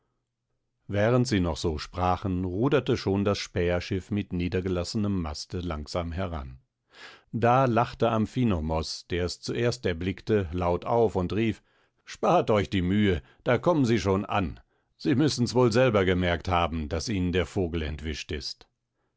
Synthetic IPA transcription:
vɛːʁəntz̥iːnɔχz̥oːʃpʁ̥aːχən̩ʁuːdɐtəʃoːndasʃpɛːɐʃɪfmɪtniːdɐɡəlasənəmːa̰stəlaŋz̥aːmɦɛʁa̰n | daːlaχtəamfiːnomɔsd̥eːɐɛst͡suʔeːɐstɛɐblɪktəlaʊtaʊfʊntʁiːf | ʃpaːɐtɔʏçd̥iːmyːə | d̥aːkʰɔmənziːʃoːnʔa̰n | z̥iːmʏsn̩svoːlzɛlbɐɡəmɛɐkthaːbm̩dasʔiːnəndeːɐfoːɡl̩ɛ̰ntv̥ɪʃtɪst

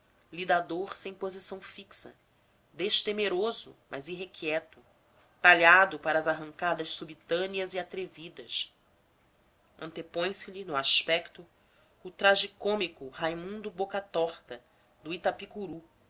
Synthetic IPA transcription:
lid̪ad̪oɾsẽj̃pozisɐ̃w̃fiksɐ̰ | d̪eʃt̪emeɾozʊ̰mʔɐ̰ziɦekʰiɛt̪ʊ | t̪aʎad̪ʊpaɾɐːzaɦɐ̃ŋkad̪ɐʃsubit̪ɐ̃niɐziat̪ɾevid̪ɐʃ | ɐ̃nt̪epõj̃sɪʎinʊaʃpɛkt̪ʊː | t̪ɾaʒikõmikʊhajmũnd̪ʊbokat̪ɔχt̪ɐ | d̪ʊit̪apikuɾu

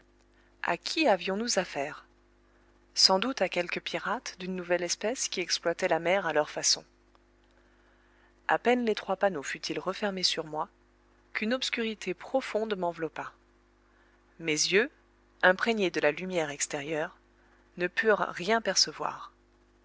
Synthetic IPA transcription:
a̰kʲʰiavjɔ̃nuzafɛːʁ | sɑ̃d̪ut̪akʲɛlkəpʰiʁat̪d̪ynːuvɛlɛspɛskʲiɛksplwat̪ɛlamɛʁalœʁfasɔ̰̃ | a̰pɛnlet̪χwapanofyt̪ʰilʁəfɛʁmesyʁmwa | kynɔpskʲyʁit̪ʰepχɔfɔ̃d̪mɑ̃vlɔpa | mezjø | ɛ̃pχeɲed̪əlalymjɛʁɛkst̪ɛʁjœʁ | nəpʰyʁːjɛ̃pɛʁsəvwa̰ːʁ

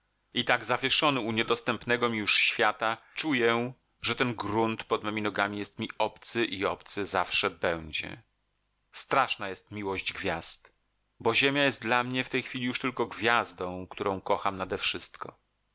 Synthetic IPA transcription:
it̪aɡzavʲjeʂɔnɘuɲɛd̪ɔst̪ɛmpnɛɡɔmʲijuʂɕfʲjat̪at͡ʂujɛ | ʐɛt̪ɛnɡɾunt̪pɔd̪mɛmʲinɔɡamʲijɛst̪mʲiɔpt̪sɘʔiɔpt̪sɘzafʂɛbɛw̃d͡ʑɛ̰ | st̪ɾaʂnajɛst̪mʲiwɔʑd͡ʑɡvʲjast̪ | bɔʑemʲjajɛst̪̚d̪lamɲɛft̪ɛjxfʲilʲijuʂt̪ɘlkɔɡvʲjazd̪ɔ̃w̃kt̪uɾɔ̃w̃kɔxamnad̪ɛfʂɘst̪kɔ̰

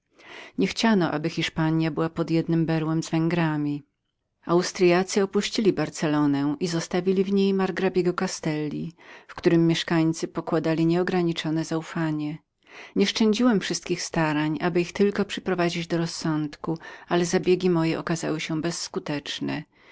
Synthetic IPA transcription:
ɲɛxt͡ɕanɔʔa̰bɘxʲiʂpaɲjabɘwapɔd̪jɛd̪̚nɘmbɛɾwɛmzvɛŋɡɾamʲi | awst̪ɾɨjat̪sɨɔpuɕt͡ɕilʲibaɾt̪sɛlɔnɛʔizɔst̪avʲilʲivɲejmaɾɡɾabʲjɛɡɔkast̪ɛlʲːḭfkt̪uɾɘmːjɛʂkaɲt̪sɘpɔkwad̪alʲiɲɛɔɡɾaɲit͡ʂɔnɛzaufaɲɛ | ɲɛʂt͡ʂɛɲd͡ʑiwɛmfʂɘst̪̚kʲixst̪aɾaɲabɘixt̪ɘlkɔpʂɛpɾɔvad͡ʑid͡ʑd̪ɔɾɔsːɔnt̪kualɛzabʲjeɡʲimɔjɛʔɔkaza̰wɘɕɛbɛsːkut̪ɛt͡ʂnɛ̰

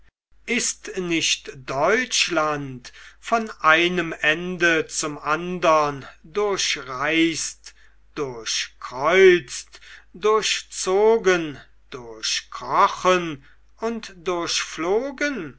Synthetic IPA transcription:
ʔɪstnɪʃtd̥ɔʏt͡ʃlantfɔnʔaɪnəmɛndət͡sʊmandɐndʊɐɕʁaɪst | d̥ʊɐɕkʁ̥ɔʏt͡stdʊɐɕt͡soːɡən | d̥ʊɐɕkʁɔχən | ʊntd̥ʊɐɕfloːɡən

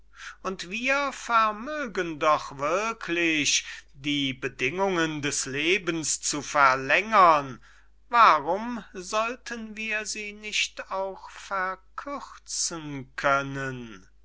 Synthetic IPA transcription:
ʔʊntv̥iːɐfɛɐmøːɡəndɔχv̥ɪɐkʰlɪçdiːbədɪŋʊŋəndɛsleːbn̩st͡sufɛɐlɛŋɐn | vaʁʊmzɔltʰənviːɐziːnɪçtaʊxfɛɐkʰʏʁt͡sənkʰœnən

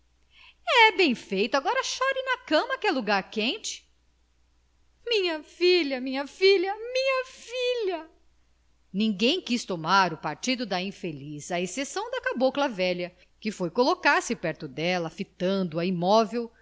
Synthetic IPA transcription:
ɛbẽj̃fejt̪ʊaɡɔɾɐʃɔɾɪnɐkɐ̃mɐkɪɛluɡaɾkẽnt͡ʃɪ̥ | mĩɲɐfilɐmĩɲɐfilɐmĩɲɐfilɐ | nĩŋɡẽj̃kist̪omaɾʊpaɾt͡ʃid̪ʊd̪ɐĩfelizɐesesɐ̃w̃d̪ɐkaboklɐvɛʎɐ | kɪfojkolokaɾsɪpɛɾt̪ʊd̪ɛlɐfit̪ɐ̃nd̪ʊɐimɔvew

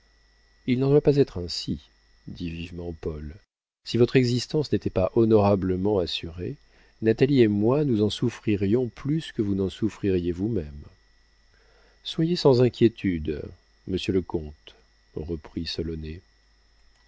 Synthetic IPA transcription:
ilnɑ̃d̪wapazɛt̪χɛ̃si | d̪ivivmɑ̃pɔl | sivɔt̪χɛɡzist̪ɑ̃snet̪ɛpaʔɔnɔʁabləmɑ̃asyʁe | nat̪aliemwanuzɑ̃sufχiʁjɔ̃plyskəvunɑ̃sufχiʁjevumɛm | swajesɑ̃zɛ̃kʲjet̪yd̪ | məsjələkɔ̃t̪ | ʁəpχisɔlɔne

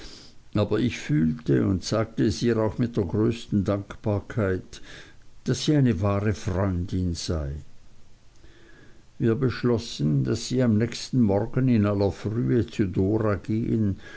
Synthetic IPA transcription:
ʔaːbɐʔɪçfyːltəʊntz̥aːk̚təɛsiːʁaʊxmɪt̚d̥eːɐɡʁøːstn̩daŋkb̥aːɐkʰaɪt | d̥asːiːaɪnəvaːʁəfʁɔʏndɪnz̥aɪ | viːɐbəʃlɔsn̩d̥asz̥iːamnɛçstn̩mɔʁɡənɪnalɐfʁyːət͡sudoːʁaɡeːən

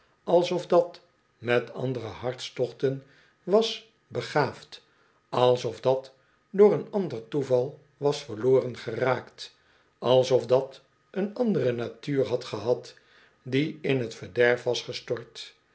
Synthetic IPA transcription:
ɑlˠsɔfdɑt | mɛtɑ̰ndərəhɑɹtstɔχtən | ʋɑs | bəχaːft | ɑlˠsɔfdɑt | doːɾənɑndərtuvɑlˠ | ʋɑsfəʁloːrənχəraːkt | ɑlˠsɔfdɑt | ənɑndərənatyːrɦɑtχəɦɑt | diɪnɦətfəɹdɛɹfʋɑsχəstɔɹt

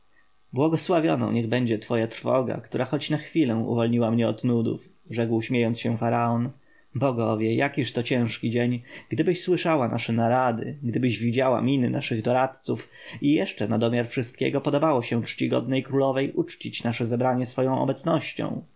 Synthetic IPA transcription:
bwɔɡɔswavʲjɔ̰nɔ̰̃w̃ɲɛɣbɛɲd͡ʑɛt̪fɔjat̪ɾfɔ̰ɡa̰kt̪uɾaxɔt͡ɕnaxfʲilɛw̃ṵvɔlɲiwamɲɛɔt̪nud̪ṵfʐɛkwɕmʲjejɔnt̪sɕɛfaɾaɔn | bɔɡɔvʲjɛjakʲiʂt̪ɔt͡ɕɛ̃w̃ʂkʲid͡ʑeɲɡd̪ɘbɘɕswɘʂawana̰ʂɛnaɾad̪ɘ̰ɡd̪ɘbɘʑvʲid͡ʑawa̰mʲinɘnʔa̰ʂɘɣd̪ɔɾat̪t̪suf | ijɛʂt͡ʂɛnad̪ɔmʲjaɾfʂɘst̪̚kʲɛ̰ɡɔpɔd̪ɔbawɔɕɛt͡ʂt͡ɕiɡɔ̰d̪̚nɛjkɾulɔvɛjʔut͡ʂt͡ɕit͡ɕnaʂɛzɛbɾaɲɛsfɔjɔ̃w̃ɔ̰bɛt̪snɔɕt͡ɕɔ̰̃w̃

